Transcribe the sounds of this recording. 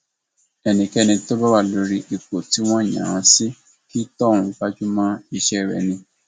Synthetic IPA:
ɛ˧nĩ˨kɛ˦˧nĩ˧to˦ba˦wa˦˨lo˨˦ɾi˦ʔi˨ko˨ti˦w̃ɔ̃˦˨j̃ã̰˨ã˨˧˦si˦ | ki˦tɔ̃˦˨ũ˧ba˦d͡ʒu˦mãː˦i˧ʃɛ˦i˦˨ɾɛ̰˨nĩ˧

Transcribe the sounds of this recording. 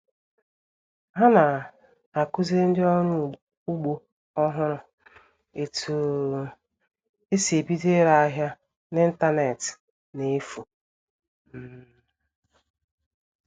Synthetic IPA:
ɦa˦na˨ | a˨kʊ˦ze˦n̩˦dɪ˦ɔ˦ɲʊ˦ | u˦ɡ͡bo˦ | ɔ˦ɦʊ˦ɾʊ˦ | e˨tʰu˨ | e˦se˨bi˦de˦ɾa˦a˦ɦja˦ | nɪ˦n̩˦ta˦ne˨t | ne˨˦fu˨ | m̩˦˨

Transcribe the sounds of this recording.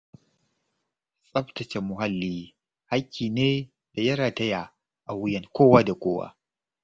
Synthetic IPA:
sʼɐ˦btɐ˨t͡ʃe˨mʊ˨ɦa˦lːiː˦ | ha˦kʲʰːiː˨neː˦ | d̥a˨jɐ˦ɾaː˨tɐ˦ja˨ | ʔa˨wʊ˦jɐ˨ŋkʷoː˦waː˦da˨kʷoː˦wa̰ː˦

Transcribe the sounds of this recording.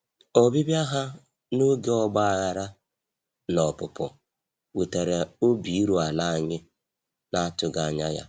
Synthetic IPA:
ɔ˨bi˦bja˦ɦa˦ | no˦ɡe˦ɔ˦ɡ͡ba˦a˨ɣa˨ɾa˦ | nɔ˨pʊ˨pʊ˨ | wi˨te˨ɾe˨o˦bi˨i˦ɾu˨a˨la˦˨ɲɪ˦ | na˦tʊ˨ɡa˨ɲa˦ja̰˦

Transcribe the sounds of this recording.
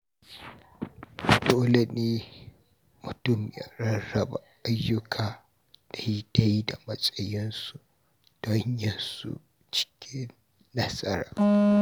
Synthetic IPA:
doː˦le˨neː˦ | mʊ˨tʊ˦˨mja̰˨ɾɐ˦ɐ˨ba˨ʔa˦jːʊ˦kʰaː˨ | d̥a˨ji˦d̥a˦ji˦da˨mɐ˦sʼɐ˦jɪ˦nsu˦ | d̥ɔ˦ɲjɐ˨nsṵ˨ | t͡ʃɪ̥˦kʲʰɪ˦nː | ɐ˦sɐ˦ɾa̰ː˨

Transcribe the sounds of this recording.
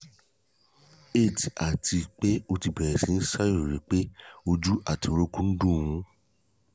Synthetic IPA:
e˦˨ti˨a˨ti˧k͡pe˦o˧ti˧˨bɛ˨ɾɛ˨sĩ˨˦n̩˦sa˦jo˦˨ɾi˨˦k͡pe˦o˧d͡ʒu˦ʔa˦˨ti˨˧o˧ɾo˦kũ˦n̩˦dũ˦˨w̃ũ˨˦

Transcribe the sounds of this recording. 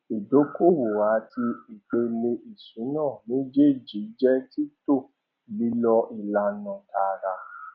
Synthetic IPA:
i˨do˨˦ko˦˨wo˨wa˨˦tʰi˧i˨k͡pe˧le˧ʔi˨sũ˨˦nãː˦˨nĩ˨˦d͡ʒe˦˨d͡ʒi˨˦d͡ʒɛ˦ti˦to˦˨ | li˦lɔ˧ʔi˨la˧˦nɔ̃˧˦˨ta˧˦ɾa˧

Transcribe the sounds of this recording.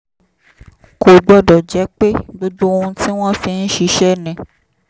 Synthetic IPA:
ko˨ɡ͡bɔ˦˨dɔ˨d͡ʒɛ˨˦k͡pe˦ɡ͡bo˦d͡ʒo˦o˧ũ˧ti˦w̃ɔ̃˦fĩ˧n̩˦ʃi˧˦ʃɛ˦nɛ̃˨

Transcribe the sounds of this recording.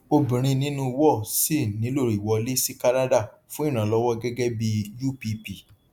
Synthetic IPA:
o˧bĩ˨ɾ̃ĩ˧nĩ˦nũ˧˦wɔ˦˨si˦˨nĩ˨˦lo˦˨ɾi˨wɔ˧le˦si˦ka˦na˦da˦˨ | fũ˦i˦˨ɾ̃ã˨lɔ˦wɔ˦ɡɛ˦ɡɛ˦bi˧ju˦˨pi˧pi˦˨

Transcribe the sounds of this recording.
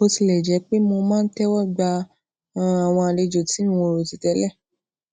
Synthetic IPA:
o˧ti˧lɛ˨d͡ʒɛ˨˦k͡pe˦mo˧mãː˦n̩˦tɛ˦wɔ˦˨ɡ͡ba˧˦˨ | a˨w̃ɔ̃˧a˧˨le˧d͡ʒo˨ti˨˦ũ˦˨o˧ɾo˨ti˧tɛ˨˧˦lɛ˦˨

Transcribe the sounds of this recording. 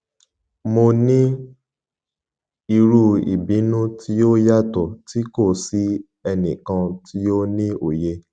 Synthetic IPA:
mo˧nĩ˦ | i˧ɾu˧ḭ˨bĩ˨˦nũ˦tʰi˦jo˦ja˦tɔ˨ti˦ko˦˨si˨˦ | ɛ˧nĩ˨kã˧tʰi˦jo˦nĩ˦o˨je˧

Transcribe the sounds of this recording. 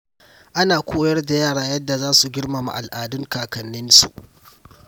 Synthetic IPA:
ʔa˦naː˨kʷʰoː˦jɐ˦rda˨jaː˦˨ɽaː˦jɐ˦dːa˨zaː˦su˨ɡʲɪ˦ɽma˨ma̰˨ʔa˨lʔaː˨dʊ˦ŋkaː˨kɐ˨nːɪ˦nsṵ˨ʔ

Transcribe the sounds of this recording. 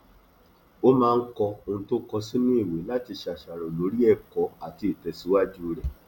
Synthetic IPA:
o˦mãː˧n̩˦kɔ˧o˧ñ̩˧˦to˦kɔ˧si˦nĩ˦i˦˨we˨˦la˦ti˧ʃa˨ʃa˨ɾ̃ɔ̃˨lo˨˦ɾi˦ɛ˦˨kɔ˨˦a˨ti˧˦e˨tɛ˨si˨˦wa˦d͡ʒu˦o˧ɾɛ˨

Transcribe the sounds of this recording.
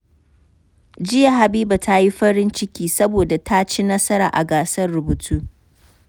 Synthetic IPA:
d͡ʒɪ˦ja˨ɦa˨biː˦ba˨ta˦ji˦ɸɐ˦ɽɪ˦nt͡ʃɪ˦kʲiː˦sɐ˦boː˨da˨tʰa˦t͡ʃi˦nɐ˦sɐ˦ɾaː˨ʔa̰˨ɡaː˨sɐ˦rːʊ˨bu˨tʰuː˦

